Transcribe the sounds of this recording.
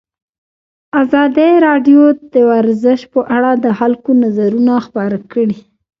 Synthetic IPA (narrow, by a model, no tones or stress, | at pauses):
azɑd̪eɾɑɖjod̪̥əwaɾzɪʃpəʔaɽad̪əxalkonazaɾunaxpɑɾakəɽi